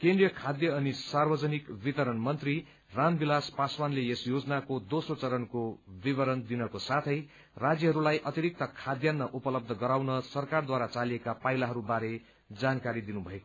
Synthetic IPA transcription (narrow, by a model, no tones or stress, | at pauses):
kẽnd̪rijʌkʰad̪jʌːnisarbʌd͡zʌnikbit̪ʌɾʌnmʌnt̪ri | rambilaspaswanleesjod͡zʌnakod̪osrot͡sʌɾʌnkobiβʌɾʌnd̪inʌkosat̪ʰʌj | rad͡zjʌɦʌɾulajʔʌt̪iɾik̚t̪ʌkʰad̪janːʌʔupʌlʌb̚d̪ʱʌɡʌɾawnʌsʌrkard̪waɾat͡salijekapajlaɦʌɾubaɾe | d͡zankaɾid̪inubʱʌeko